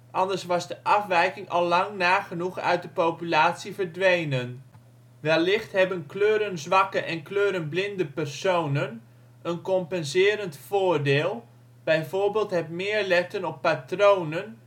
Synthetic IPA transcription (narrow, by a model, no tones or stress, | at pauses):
ʔɑndəɹsʋɑzdəʔɑfʋɛjkɪŋʔɑ̰lˠːɑŋnaːχənuχœ̰ɥt̚dəpowpylaːtsivəɹdʋejnən | ʋɛlːɪχtɦɛbənkløːɾənzʋɑkəʔɛnkløːɾənblɪndəpɛrsownən | ənkɔmpɛnzɪːɾəntfoːɹdɪːlˠ | b̥ɛjvoːɹbeːlˠtɦɛtmɪːɹlɛtənɔpːatrownən